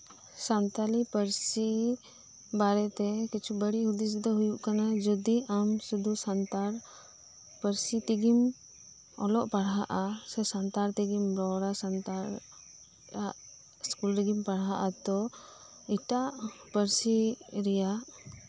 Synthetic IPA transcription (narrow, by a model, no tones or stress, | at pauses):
sant̪alipəɾsi | baɾɛt̪ɛkit͡ʃʰubəɽiɦud̪is̬d̪ɔɦujuʔkanad͡ʒɔd̪iʔamsud̪ʱusant̪aɾ | pəɾsit̪iɡim | ɔlɔʔpaɽɦaʔasɛsant̪aɾt̪iɡimɾɔɽasant̪aɾ | aʔ | skulɾiɡimpaɽɦaʔat̪ɔ | iʈaʔpəɾsiɾɛjaʔ